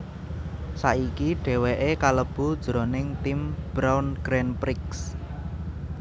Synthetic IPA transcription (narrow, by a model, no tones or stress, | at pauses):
saʔikiɖ̥e̤weʔekaləb̥ṳd̥ʒ̥ɾonɪŋt̪imb̥ɾawnɡ̥ɾɛnpɾɪks